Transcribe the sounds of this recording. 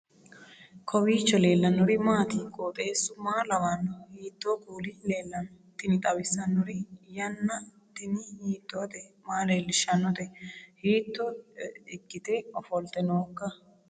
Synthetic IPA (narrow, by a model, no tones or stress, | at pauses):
kʰɔwiːt͡ʃːɔle̞ːlːɐnːɔɾɪmaːt̪iːkʼoːt̪ʼe̞ːsːʊmaːlɐwanːɔhiːt̪ːoːkuːlɪle̞ːlːɐn | t̪ɪnɪt̪ʼɐwɪsɐnːɔɾɪjɐnːɐ | t̪ɪnɪhiːt̪ːɔːd̪ɛmaːleːlːɪʃɐnːɔd̪ɛhiːt̪ːɔɪɡːɪt̪ɛɔfɔlt̪ɛnoːkːɐ